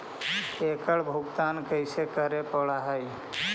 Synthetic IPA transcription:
eːkəɭbʱʊɡt̪aːnkəɪsekəɾepəɭaɦəj

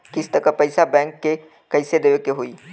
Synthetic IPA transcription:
kɪst̪ɐkəpɐɪsabɛ̃ːŋkːe | kɐɪsed̪eːʋekeɦoiː

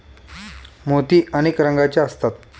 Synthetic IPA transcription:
mot̪iːəñekɾəŋɡat͡ɕjaəst̪at̪

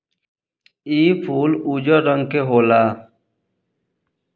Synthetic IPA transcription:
iːpʰuːlud͡ʑəɾəŋɡkeɦoːlaː

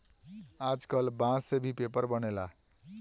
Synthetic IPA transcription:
ad͡zkʌlbãsebʱipepʌrbʌnela

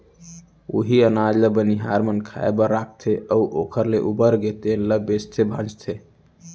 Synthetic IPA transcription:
oɦiənad͡ʒləbəniɦaɾmənkʰa̰ebəɾak̚ʰt̪ʰeʔəuʔokʰəɾleʔubəɾɡet̪enləbest̪ʰebʱãd͡ʒt̪ʰe

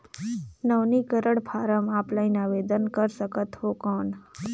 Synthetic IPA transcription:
nəʋnikəɾəɽpʰaɾəmaplainaʋed̪ənkəɾʃəkət̪ʋokɔɳ

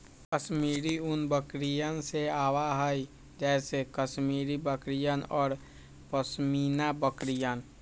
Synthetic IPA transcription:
kəsmiːɾiʊnbəkɾijənseaːwaɦəi | d͡ʒɛːsekəsmiːɾibəkɾijənɔːɾ | pəsmiːnabəkɾijən

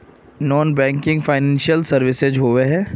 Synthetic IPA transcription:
nɔːnbɛ̃ːŋkɪ̃ŋɡfaːɪnɛ̃ːnʃijəlsɐɾʋɪsed͡ʒɦoːʋeɦɛ̃ː

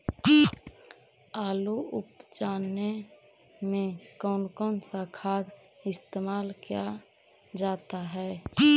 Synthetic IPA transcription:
aːluʊpd͡ʒaːnːe | mẽkɔːnkɔːnsakʰaːd̪ɪst̪eːmaːlkija | d͡ʒaːt̪aɦɛː

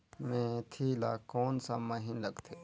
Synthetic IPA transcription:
mẽt̪ʰiːlaːkɔːnsaməɦɪnlɐɡt̪ʰeː

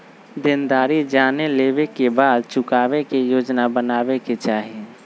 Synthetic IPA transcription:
d̪ɪnd̪aːɾid͡ʒaːneleːbekebaːd̪t͡ʃʊkaːwekejoːd͡ʒnabənaːbeket͡ʃaːɦie

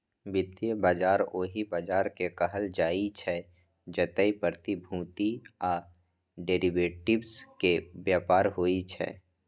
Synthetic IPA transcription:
bɪt̪ːiebaːd͡ʒaːɾoːɦibaːd͡ʒaːɾkekəɦəld͡ʒaːit͡ʃʰɛ | d͡ʒət̪əipəɾt̪ibʱũːt̪iaː | ɖeːɾibeːʈɪbskebjaːpaːɾɦoːit͡ʃʰɛ̰ː

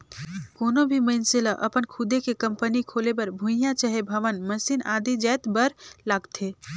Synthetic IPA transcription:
koːnobʱiməɪnseləʔə̰pənkʰud̪ʱekekəmpənikʰolebəɾbʱũjãt͡ʃəɦebʱəʋənməsiːnad̪ʱid͡ʒɛt̪bəɾlaːɡt̪ʰe

